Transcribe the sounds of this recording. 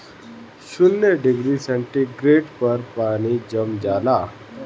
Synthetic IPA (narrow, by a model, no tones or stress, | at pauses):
ɕunːeɖiɡɾisə̃ɳʈiɡɾeʈpəɾpaɽ̃id͡ʑəmd͡ʑala